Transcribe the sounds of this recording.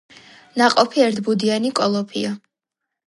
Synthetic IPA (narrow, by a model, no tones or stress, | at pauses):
naqʼɔpʰiɛɾt̪ʰbud̪ianikʼɔlˠɔpʰia